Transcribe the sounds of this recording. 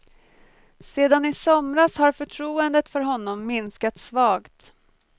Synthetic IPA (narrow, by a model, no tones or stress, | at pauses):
seːd̪anɪsɔmɾashaɾfœʈʰɾuːənd̪ət̪fœɾɦɔnːɔmːɪnskat̪svɑːɡt̪